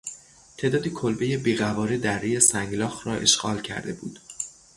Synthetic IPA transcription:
t̪ʰe̞ːd̪ɒːd̪iːkʰolbe̞je̞biːɣævɒːɾed̪ærːijesæŋɡlɒːxɾɒːʔe̞̰ʃɢ̥ɒ̰ːlcʰæ̰ɾd̪e̞̰buːd̪̥

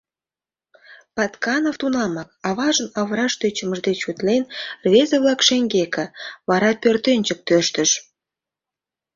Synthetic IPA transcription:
pɑt̪kɑnoft̪unɑmɑk̚ɑβɑʒənɑβɾɑʃt̪øt͡ɕə̆məʒd̪et͡ɕut̪lenrβezəβlɑkʃeŋɡekə̆βɑɾɑpørt̪enʲt͡ɕə̆k̚t̪øʃt̪ə̆ʃ

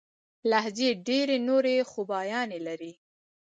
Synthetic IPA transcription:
lahzeɖeɾenoɾexubɑjɑnelaɾi

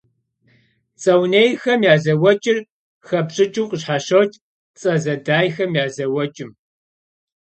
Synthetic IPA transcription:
t͡sʼɐwneːjxɐmjaːzɐwɐt͡ʃʼɪr | xɐpɕʼɪt͡ʃʼuːqʼəɕħaɕɐwt͡ʃʼ | t͡sʼɐzɐdaːjxɐmjaːzɐwɐt͡ʃʼɪm

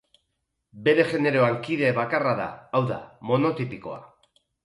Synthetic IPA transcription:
be̞ɾe̞ʝe̞ne̞ɾo̞aŋkiðe̞βakaraða̰ːwða̰mo̞no̞t̪ipiko̞̰a̰

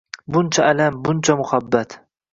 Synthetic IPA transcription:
bʊnt͡ʃʰaalambʊnt͡ʃʰamʊhabːat̪

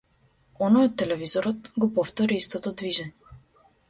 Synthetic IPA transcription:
ɔnɔjɔt̪ːɛlɛvizɔɾɔt̪ɡɔpɔft̪ɔɾiist̪ɔt̪ɔd̪viʒɛɲɛ

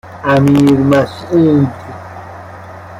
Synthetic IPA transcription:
amiːɾmasuːnt̪i

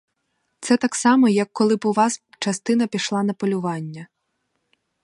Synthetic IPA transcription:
t̪sɛt̪ɑksɑmɔjɐkːɔlˠɪbʊʋɑs | t͡ʃɐst̪ɪnɐpʲiʃlˠɑnɐpɔlʲʊʋɑnʲːɐ

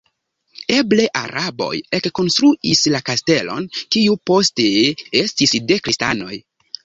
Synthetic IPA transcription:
eble̞ʔa̰ɾʔabo̞̰jekːo̞nstɾuʔislakaste̞lo̞̰nkiupo̞steestisde̞kɾista̰no̞̰j

